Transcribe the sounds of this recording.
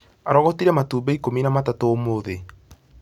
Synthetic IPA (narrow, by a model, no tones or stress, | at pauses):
aɾɔɣɔtiɾɛmatuːbɛikominamatatoːmoðe